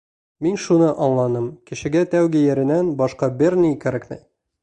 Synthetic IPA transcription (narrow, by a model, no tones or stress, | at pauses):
minʃunɤʔɒllˠɑnɤmkɘ̆ʃɘ̆ɡæt̪æwɡijɘ̆ɾɘ̆nænbɒʃqɑbɘɾnikæɾæknɘ̰j